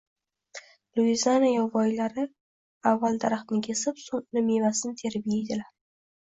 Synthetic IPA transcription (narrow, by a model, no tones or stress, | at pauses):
lˠuizanajɒvɒjlaɾɪ | avːald̪aɾaχt̪nɪkʲʰe̞sɪpsoŋnɪme̞masɪnt̪ʰe̞ɾɪbjejd̪ɪlaɾ